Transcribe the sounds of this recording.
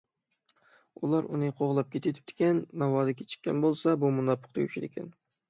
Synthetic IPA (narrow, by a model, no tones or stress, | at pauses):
ulˠɑɾṵnɨqʰoʁlˠɑp̚kʲʰet̪ʰyt̪ʰɪ̥p̚t̪ʰɪ̥kʲɛnːɑwɑːd̪ɨkʲʰe̥t͡ʃʰɪ̥kʲːɛ̰nbolˠsɑbumunɑpʰːʊ̥qt̪ʰɑɡʲyt͡ʃʰid̪ɪkʲʰɛn